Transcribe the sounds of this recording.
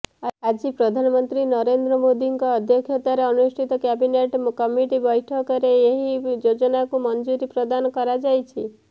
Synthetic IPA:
ad͡ʒipɾɔd̪ʱanɔmɔnt̪ɾinɔɾend̪ɾɔmod̪iŋkɔːd̪ʱjɔkʰjɔt̪aɾeɔnusʈʰit̪ɔkɛbineʈkɔmiʈibɔjʈʰɔkɔɾeeɦid͡ʒod͡ʒɔnakumɔnd͡ʒuɾipɾɔd̪anɔkɔɾad͡ʒajt͡ʃʰi

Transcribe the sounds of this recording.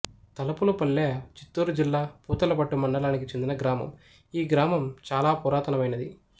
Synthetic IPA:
t̪ɐlɐpulupɐlːet͡ʃi̥t̪ːuːɾud͡ʒilːaːpuːt̪ɐlɐbɐʈːumɐɳɖɐlaːnikit͡ʃe̞nd̪inɐɡɾaːmɐ̰m | iːɡɾaːmɐmt͡ʃaːlaːpɔːɾaːt̪ɐnɐmɐjnɐd̪i

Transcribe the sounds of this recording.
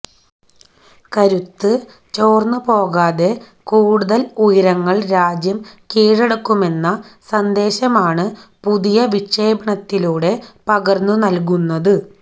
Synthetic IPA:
kɐɾut̪ːɨ | t͡ɕo̞ːrnːupo̞ːɣaːðe̞ | kuːɽuðɐlujiɾɐŋːɐɭɾaːd͡ʑjɐmkiːɻɐɽɐkːume̞nːɐsɐnd̪e̞ːɕɐmaːɳɨpuðijɐʋit͡ɕːe̞ːbɐɳɐt̪ːiluːɽe̞pɐɣɐrnunɐlk̬unːɐðɨ

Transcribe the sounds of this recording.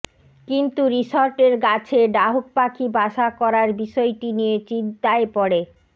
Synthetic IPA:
kint̪uɾiʃoɾʈeɾɡat͡ɕʰeɖaɦok̚pakʰibʱaʃakɔɾaɾbiʃɔeʈinijet͡ɕind̪aepɔɽe

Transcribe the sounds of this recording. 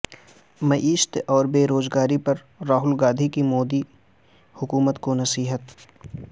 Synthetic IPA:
mɐʔiːʃt̪ɔːɾbeːɾoːzɡaːɾipɐɾ | ɾaːɦʊlɡaːd̪ʱikimoːd̪i | hʊkuːmət̪konɐsiːɦət̪

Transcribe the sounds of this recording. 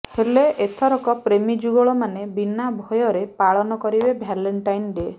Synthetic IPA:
heleʔet̪ʰɔɾɔkɔpɾemid͡ʒuɡɔɭɔmanebinabʱɔjɔɾepaɭɔnɔkɔɾibebʱjaleɳʈajnɖie

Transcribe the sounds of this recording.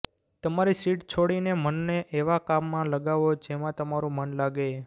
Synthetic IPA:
t̪əmaɾisiʈt͡ʃʰoɽinemənːeʔeʋakamːãləɡaʋod͡ʒemãt̪əmaɾũmənlaɡe

